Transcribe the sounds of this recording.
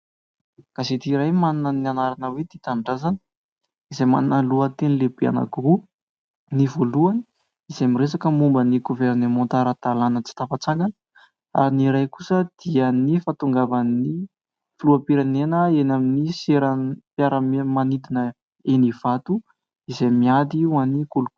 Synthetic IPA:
kaset̪iɾajmanunənianaɾanəwet̪it̪aɳɖ͡ʐazani̥ | izajma̰nnaluət̪enilebea̰na̰ɡu | nivoluani | izajmiɾesakəmumbəniɡoveɾnemɔ̃nt̪aɾat̪alanət͡si̥t̪afat͡saŋɡanə | a̰ɾiniɾajkusəd̪̥iənifat̪uŋɡavani | fluapiɾanenəenaminiseɾənpjaɾəmmanid̪inə | eniv̥at̪u | izajmiad̪iwanikulu

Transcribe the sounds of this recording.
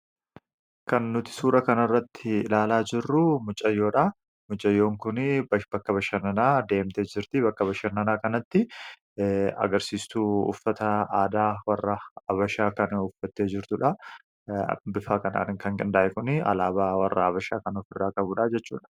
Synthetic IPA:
kɐnːʊt̪ɪ̥suːɾɐkɐnɐrːɐt̪ːɪɪlaːlaːd͡ʒɪrːʊmʊt͡ʃʼɐjːo̞ːᶑa | mʊt͡ʃʼɐjːo̞ːŋkʊnbɐkːɐbɐʃɐnɐnaːd̪e̞ːmt̪e̞ːd͡ʒɪɾt̪ɪbɐkːɐbɐʃɐnːɐnaːkɐnɐt̪ːɪ | ɐ̰ɡɐɾsiːst̪uːʊ̰fːɐt̪ɐaːd̪aːwɐrːɐɐβɐʃaːkɐnʊfːɐt̪ːe̞ːd͡ʒɪɾt̪ʊᶑɐ | bɪfaːkɐna̰ːnɪŋkɐŋɡʼɐnd̪aːʔɛkʊnɪɐ̰laːbaːwɐrːɐɐβɐʃa̰ːkɐnɔfɪrːaːkɐbʊᶑaːd͡ʒɛt͡ʃːṵːᶑɐ̥

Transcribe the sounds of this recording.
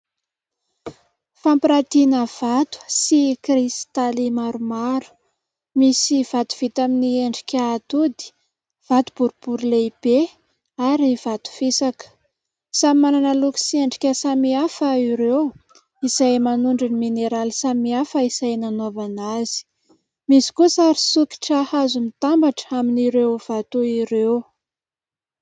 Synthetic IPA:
fampiɾat̪inəv̥at̪u̥sikrist̪alimaɾumaɾu̥ | misiv̥at̪u̥v̥it̪aminieɳɖ͡ʐi̥kʲaːt̪ud̪i̥ | v̥at̪ub̥uɾub̥uɾileib̥e | aɾivat̪u̥fisakə̥ | samimananəluki̥sieɳɖ͡ʐi̥kʲasamiafəiɾew | isajmanuɳɖ͡ʐunimineɾalisamiafəisajnanovanazi̥ | misi̥kusaɾisuki̥ʈ͡ʂahazumit̪ambaʈ͡ʂaminiɾewv̥at̪uiɾew

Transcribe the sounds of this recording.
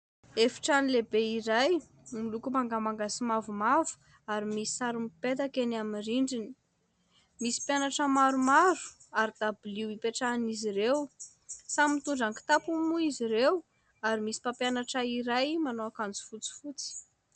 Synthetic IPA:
efi̥ʈ͡ʂanilebeiɾaj | milukumaŋɡamaŋɡasimavumavu̥ | aɾimisi̥saɾumipet̪akenaminriɳɖ͡ʐini̥ | misi̥pjanaʈ͡ʂəmaɾumaɾu̥ | aɾid̪̥abiliwipeʈ͡ʂaniziɾew | samit̪uɳɖ͡ʐaŋki̥t̪apumuiziɾew | aɾimisi̥papjanaʈ͡ʂaiɾajmanoakand͡zi̥fut͡si̥fut͡si̥

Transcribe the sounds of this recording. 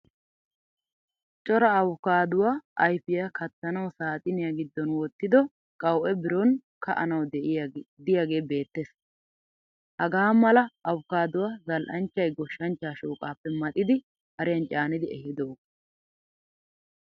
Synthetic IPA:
t͡ʃʼɔɾɐːwʊkaːd̪ʊwaːʔɐjfɪjɐkɐt̪ːɐnɐwsaːt̪ʼɪnɪjaɡɪd̪ːɔnwɔt̪ːɪd̪ɔ | kʼɐwʔɛbɪɾɔnkʰɐ̰ʔɐnɐwd̪d̪ɪjaɡeːbe̞ːt̪ːes | hɐɡaːmɐlɐʔɐwʊkaːd̪ʊwaːzɐlʔɐnt͡ʃːɐjɡɔʃːɐnt͡ʃːaːʃoːkʼaːpːɛmɐt̪ʼɪd̪ɪ | hɐɾɪjɐnt͡ʃʼaːnɪd̪ɪɛhɪd̪oːɡ

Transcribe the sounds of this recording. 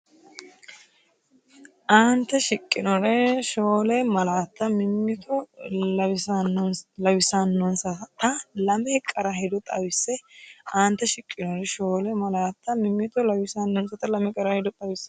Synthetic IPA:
ʔaːnt̪ːɛʃɪkʼːɪnɔɾɛʃoːlɛmɐlaːt̪ːɐmɪmːɪt̪ʰɔlɐwɪsnlɐwɪsanːɔnsɐt̪ɐlɐmɛkʼɐɾɐɦɛd̪ɔt̪ʼɐwɪsːɛʔaːnt̪ːɛʃɪkʼːɪnɔɾɛʃoːlɛmɐlaːt̪ːɐmɪmːɪt̪ɔlɐwɪsanːɔnsɐt̪ɐlɐmɛkʼɐɾɐhɪd̪ɔt̪ʼɐwɪsːɛ

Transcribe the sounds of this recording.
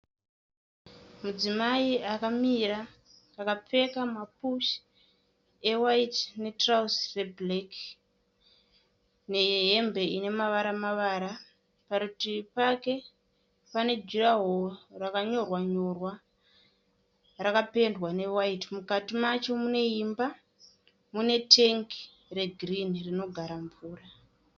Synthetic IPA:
mud͡zimaiakamiɾa | akap͡fe̞kamapuʃ | e̞waitne̞trausreblek | ne̞ɦe̞mbe̞ine̞maʋaɾamaʋaːɾa | pakutipake̞ | pane̞d͡ʒiraɦorakaɲo̞rwaɲo̞rwa | rakape̞ndwane̞waitimukatimat͡ʃo̞mune̞imba | mune̞tʰeŋki | re̞ɡʱrinrino̞ɡʱaɾamvuːra

